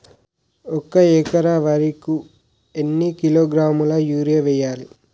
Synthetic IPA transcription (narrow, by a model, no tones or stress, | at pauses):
ɔkɐɛːkɐɾaʋɐɾiku | enːikiloːɡɾaːmulɐjuːɾeʋɛjːaːli